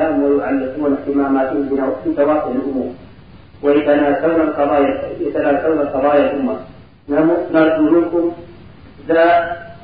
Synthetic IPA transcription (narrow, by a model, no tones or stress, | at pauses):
ahʊmwaɾuʕalːɪquːnafimaːmaːt̪ubɪnafiːt̪awaːfɪʕalʔʊmuːɾ | wajat̪anaːzawnalqɑd̪ˤɑːjajat̪anaːzawnalqɑðˤɑːjalʔʊmːa | nanunɑɾˤd̪umɪnkʊm | zaː